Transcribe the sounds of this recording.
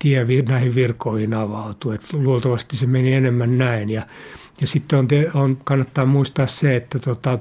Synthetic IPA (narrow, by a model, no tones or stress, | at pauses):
t̪iɛʋinæihiʋʋirkoihinɑʋɑut̪uet̪luolt̪ɑʋɑst̪isemenienemːænnæinjɑ | jɑsit̪ːeont̪eonkɑnːɑt̪ːɑːmuist̪ɑːsseet̪ːæt̪ot̪ɑ